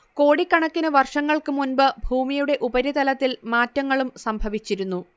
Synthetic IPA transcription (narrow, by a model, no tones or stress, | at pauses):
ko̞ːɽikːɐɳɐkːinɐʋɐrʂɐŋːɐɭkɨmunbɨbʱuːmijuɽe̞ʔubɐɾit̪ɐlɐt̪ːilmaːtːɐŋːɐɭumsɐmbʱɐʋit͡ɕːiɾun̪ːu